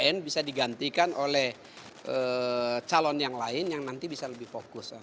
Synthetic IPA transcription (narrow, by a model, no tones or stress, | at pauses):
ɛnbisadiɡant̪ikanʔolɛh | ʔət͡ʃalɔnjaŋlaɪnjaŋnant̪ibisaləbɪhfokʊsa